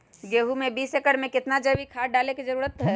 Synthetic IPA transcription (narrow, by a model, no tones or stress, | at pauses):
ɡeɦumebiːsekəɽmekɪt̪nad͡ʒəbikʰaɖaleked͡ʒəɾuːɾət̪ɦɛ